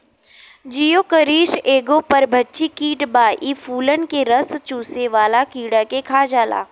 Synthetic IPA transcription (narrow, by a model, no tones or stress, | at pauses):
d͡ʒijoːkəɾiːʃeːɡõpɐɾbʱɐtːt͡ʃikiːʈbaːʔifʰuːlənkeɾəst͡ʃuːseʋaːlakiːɽakekʰaːd͡ʒaːla̰ː